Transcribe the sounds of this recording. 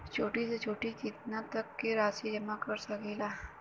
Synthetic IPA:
t͡ʃoʈit͡sət͡ʃoʈikit̪nat̪əkːeɾasid͡ʑemakəɾsaɡela

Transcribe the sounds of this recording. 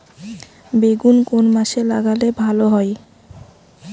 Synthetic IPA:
beɡunkonmaʃelaɡalebʱaloɦɔj

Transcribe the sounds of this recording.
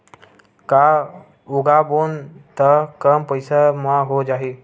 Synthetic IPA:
ka | uɡabont̪əkəmpəjsamaɦod͡ʒaɦi

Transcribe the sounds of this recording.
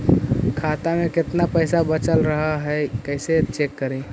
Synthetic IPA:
kʰat̪ameket̪napəɪsabət͡ʃəlɾəɦəɦəkəɪset͡ʃekːəɾe

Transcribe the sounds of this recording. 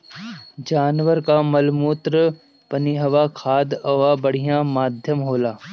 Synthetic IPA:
d͡ʒaːnʋəɾkamɐlmuːt̪ɾə | pɐniɦɐʋakʰaːd̪ɐʋabɐɽ̤ijãmaːd̪ʱjəmɦoːlaː

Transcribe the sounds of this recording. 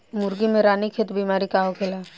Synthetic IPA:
mʊɾɡimẽɾaːnikʰet̪bimaːɾikaːɦokʰelaː

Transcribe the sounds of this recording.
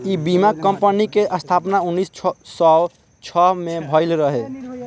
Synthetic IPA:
ibimaɡkːəmpənikeʔəst̪ʰapnaunːissɔ | t͡ʃʰɔɦmebʱəɪlɾəɦe

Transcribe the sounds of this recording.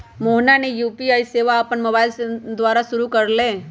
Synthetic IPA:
moɦnanejuːpiajseʋaːpəɳmobajld̪ʋaɾasuɾukəɾlẽ

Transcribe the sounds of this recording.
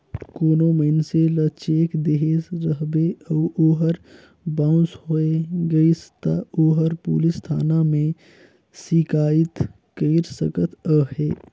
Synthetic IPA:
koːnoməɪnselət͡ʃeːkd̪eɦezɾəɦbeəːʔoːɦəɾ | bãːʊ̃sɦoeɡəist̪aoːɦəɾpṵːlɪst̪ʰa̰ːnamẽ | sikaːɪt̪ | kəɪɾsəkət̪ʰəɦeː

